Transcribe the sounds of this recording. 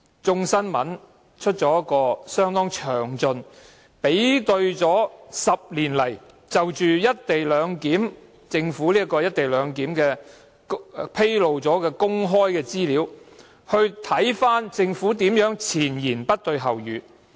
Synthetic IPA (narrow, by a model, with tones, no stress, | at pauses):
t͡ʃʊ˧ŋsɐ˥nmɐ˨˥n | t͡ʃʰɵ˥t̚t͡ʃɔː˨˥jɐ˥t̚kɔː˧sœː˥ŋt̪ɔː˥ŋt͡ʃʰœː˨˩ŋt͡sɵ˧n | pe˨˥jt̪ɵ˧ɥt͡sɔː˨˥sɐ˨p̚liː˨˩nlɐ˨˩j | t͡sɐ˨wt͡ʃyː˨jɐ˥t̚t̪e˨jlœː˨˧ŋkiː˨˥m | t͡sɪ˧ŋfuː˨˥liː˥kɔː˧jɐ˥t̚t̪e˨jlœː˨˧ŋkiː˨˥mkɛː˧ | pʰe˥jlo˨wt͡sɔː˨˥kɛː˧kʊ˥ŋɦɔː˥jkɛː˧t͡siː˥liː˨˥w | hɵ˧ɥt̪ʰɐ˨˥jfaː˥nt͡sɪ˧ŋfuː˨˥t̪iː˨˥mjœː˨˥ŋt͡sʰiː˨˩njiː˨˩npɐ˥t̚t̪ɵ˧ɥɦɐ˨˩wjyː˨˥